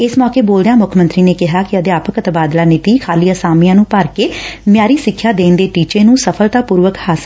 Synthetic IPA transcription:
ɪsmɔːkeːboːld̪ejãːmʊkʰmə̃nt̪ɾiːneːkɪɦaːkɪəd̪eaːpəkət̪baːd̪laːnɪt̪iːkʰaːliːasaːmijãːnũːpəɾkeːmɪjaːɾiːsɪkʰːjaːd̪eːnd̪eːʈiːt͡ʃeːnũːsəpʰəlt̪aːpuːɾʋəkhaːs

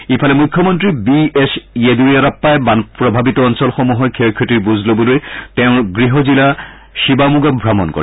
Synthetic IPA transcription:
ipʰalɛmujkʰːjɔmɔntɹibiesieduɹiaɾapːajbanpɹɔbʱabitɔɔnsɔlxɔmuɦɔjkʰeɹkʰːɔtiɹbuzʱlobɔlojtɛʊ̃ɡɹiɦɔzila | ʃibamuɡabʱɹamɔnkɔ̰ɹɛ

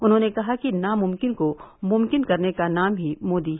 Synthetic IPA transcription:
ʊnɦõːnekɐɦakinamʊmkɪnkomʊmkɪnkɐɾnekanaːmɦimoːd̪i

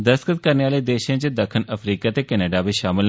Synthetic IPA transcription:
d̪əskət̪kəɾneːaːleːd̪eːʃẽːt͡ʃəd̪əkʰːənəpʰɾiːkaːt̪eːkɛːnəɖaːbiːʃaːmɪl

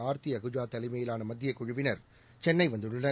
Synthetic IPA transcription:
aːɾt̪iɐɣɯd͡ʒaːt̪ɐlɐɪmɐjɪlaːnɐmɐd̪ːɪjɐkːʊɻʊʋɪnɐɾ | t͡ʃɛnːɐɪʋɐnd̪ɯɽɯnɐ

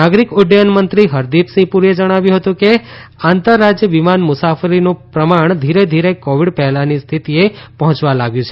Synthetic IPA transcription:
aɡɾikʊɖjənmənt̪ɾiɦəɾd̪ipsĩpuɾied͡ʒəɽ̃aʋjũɦət̪ũke | ant̪əɾːad͡ʒjəʋimanmʊsafəɾinũpɾəmaɳ̃d̪ʱiɾed̪ʱiɾekoʋiɖpɛɦlanist̪ʰit̪iepəɦɔ̃t͡ʃʋalaɡjũt͡ʃʰe

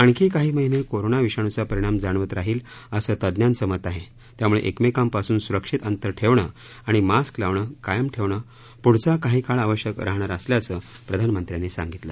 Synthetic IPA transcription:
aɳkʰiːkaɦiːməɦinekoɾonaʋiʂaɳ̃ut͡sapəɾiɽ̃amd͡zaɳʋət̪ɾaɦiːləsəːt̪əd̪njansəmət̪aɦe | t̪jamuɭḛʔekmekampasuːnsuɾəkʂit̪ənt̪əɾʈʰeʋɳə | aɽ̃imasklaʋɳəkajəmʈʰeʋɳə | puɽ̤t͡sakaɦiːkaɭaʋəɕjəkɾaɦɳaɾəsljat͡səːpɾəd̪ʱanmənt̪ɾjanesa̰ŋɡit̪la

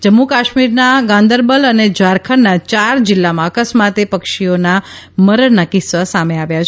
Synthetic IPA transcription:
d͡ʒəmːukaʃmiɾnaɡãnd̪əɾbələned͡ʒʋaɾkʰənat͡ʃaɾd͡ʒɪlːamãəkəsmat̪epəkʃionaməɾənakɪsʋasameaʋjat͡ʃʰ

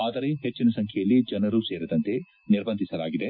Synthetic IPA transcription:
aːd̪ɐɾeɦet͡ʃːinɐsɐŋkʰjɛjɐlːid͡ʒɐnɐɾuseːɾid̪ɐnt̪e̞ | niɾbɐnd̪ʱisɐlaːɡid̪e

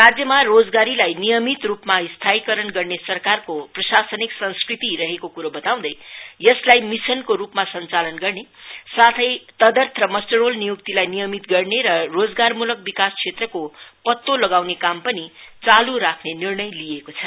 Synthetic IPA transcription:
rad͡zjʌmarod͡zɡaɾilajnijʌmit̪rupmaist̪ʰajkʌɾʌnɡʌrnesʌrkarkoprʌsasʌniksʌ̃nskrit̪iɾʌɦekokuɾobʌt̪aw̃d̪ʌjjʌslajmisʌnkoɾupmasʌnt͡salʌnɡʌrnesat̪ʰʌjt̪ʌd̪ʌrt̪ʰrʌmʌsʈʌrolnijukt̪ilajnijʌmit̪ɡʌrneɾʌrod͡zɡarmulʌk̚bikaskʰet̪rʌkopʌt̪ːolʌɡawnekampʌnit͡saluɾakʰnenirnʌjlijekot͡sʰʌ

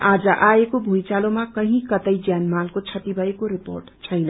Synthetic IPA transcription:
ad͡zʌʔaekobʱujt͡salomakʌɦĩkʌt̪ʌjd͡zjanmalkot͡sʰʌt̪ibʱʌekoɾipo̰rʈt͡sʰʌjna

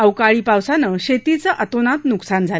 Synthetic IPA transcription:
əwkaɭiːpawsanəɕet̪it͡səʔət̪onat̪nuksand͡zʱal

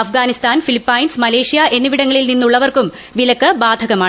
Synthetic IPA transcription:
ɐfɡaːnist̪aːnfilipːɐjnsmɐle̞ːʂijaʔe̞nːuʋiɽɐŋːɐɭilninːuɭːɐʋɐrkum | ʋilɐkːɐbaːd̪ʱɐɣɐmaːɳ

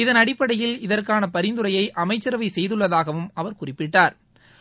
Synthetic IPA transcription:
ɪðɐnɐɽɪpːɐɽɐjɪlɪðɐrkaːnɐpɐɾɪnd̪ɯɾɐjɐɪʔɐmɐɪt͡ʃːɐɾɐʋɐɪsɛjðɯɭːɐðaːɣɐʋɯmɐʋɐɾkʊrɪpːɪʈːaːɾ

